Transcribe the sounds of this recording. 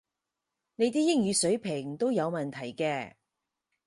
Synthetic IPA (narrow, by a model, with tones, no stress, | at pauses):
ne˨˧jt̪iː˥jɪ˥ŋjyː˨˧sɵ˨˥ɥpʰɪ˨˩ŋt̪o˥wjɐ˨˧wmɐ˨nt̪ʰɐ˨˩jkɛː˧